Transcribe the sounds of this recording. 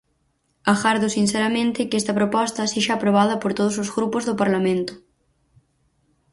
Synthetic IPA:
aɣaɾðʊsinsɛɾɐmẽnt̪ɪkɛst̪ɐpɾopɔst̪ɐseʃaːpɾoβað̞ɐpoɾt̪oð̞ʊs̬ozɣɾupʊzðʊpaɾlamẽnt̪ʊ̥

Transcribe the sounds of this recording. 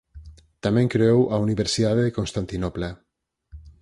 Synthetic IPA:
t̪amẽŋkɾeowʔauniβeɾsiðaðekonst̪ant̪inopla

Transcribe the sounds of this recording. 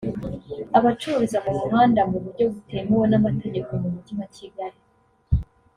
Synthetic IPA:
aβat͡ʃuɾizamumumaːndamuβuɾɟo̞ɡutemuwonamatʰe̞ɟe̞ko̞mumutimaciɡaɾi

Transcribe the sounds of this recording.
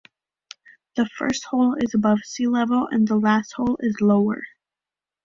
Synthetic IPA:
ðɨfɜ̰˞st̚hoʊlˠɪzəbʌv̥silɛvl̩ˠɨ̰̃nðəlæst̚hoʊlˠɪzloʊə̰˞

